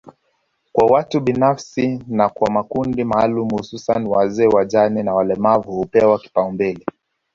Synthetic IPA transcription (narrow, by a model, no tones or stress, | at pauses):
kwawatuɓinafsinakwamakundimaːlumuhususaniwazɛːwaʄaninawalɛmavuhupɛwaki̥paumbili